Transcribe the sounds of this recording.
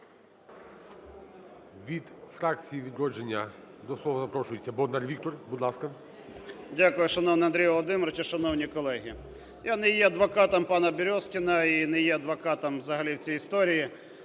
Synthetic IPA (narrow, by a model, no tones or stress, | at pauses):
ʋʲid̪fɾɑk̚t͡sʲijiʋʲid̪ɾɔd͡ʒenʲːɐd̪ɔslˠɔʋɐzɐpɾɔʃʊjet͡sʲːɐbɔd̪narʋʲik̚t̪ɔrbud̪lˠɑskɐ | dʲakʊjʊʃɐnɔwnɪɐnd̪ɾʲijʋɔlˠɔd̪ɪmɔɾɐt͡ʃiʃɐnɔwnʲikɔlˠɛɦʲi | janɛjɛɐd̪ʋɔkɑt̪ɐmpɑnɐbʲɪɾʲɔskʲɪnɐinɛjɛɐd̪ʋɔkɑt̪ɐmʋzɐɦɐlʲiwt͡sʲijist̪ɔɾʲiji